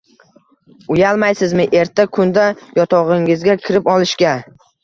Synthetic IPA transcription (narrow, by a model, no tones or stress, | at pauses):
ʊjalˠmajsɪzmɪʔe̞ɾt̪ʰːakʰʊnd̪ajɒt̪ʰɒʁɪŋɪzɡʲakʲʰɪɾɪpɒlˠɪʃkʲa